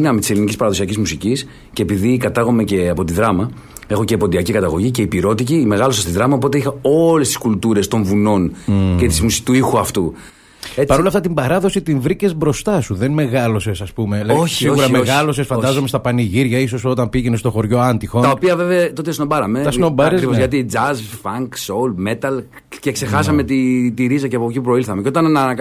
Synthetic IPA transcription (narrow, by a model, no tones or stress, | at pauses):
ɐmit̪i̥selinicispɐɾɐðo̞siɐcizmusicis | cepiðikɐt̪ɐɣo̞me̞ce̞ɐpo̞t̪iðɾɐmɐ | e̞xo̞cepod̪iɐcikɐt̪ɐɣoʝice̞ipiɾo̞t̪icime̞ɣɐlo̞sɐst̪iðɾɐmɐopo̞t̪eixɐo̞le̞st̪i̥skult̪uɾe̞st̪o̞ɱvuno̞ncet̪i̥zmust̪uixuɐft̪u | pɐɾo̞lɐft̪ɐt̪imbɐɾɐðo̞sit̪iɱvɾice̞zbɾo̞st̪ɐsuðe̞nme̞ɣɐlo̞sesɐspume̞lɐçssiɣuɾɐmeɣɐlo̞sesfɐnd̪ɐzo̞mest̪ɐpɐniʝiɾʝɐiso̞so̞t̪ɐmpiʝenest̪o̞xo̞ɾʝo̞ɐnd̪ixo̞nt̪ɐopiɐveveɐt̪o̞t̪esnobɐɾɐmet̪ɐsno̞mbɐɾezɾivozʝɐt̪̬id͡zɐzfɐŋksolme̞t̪ɐl | ce̞kse̞xɐs̬ɐme̞t̪it̪iɾizɐcepocipupɾo̞ilθɐme̞co̞t̪ɐnnɐɐk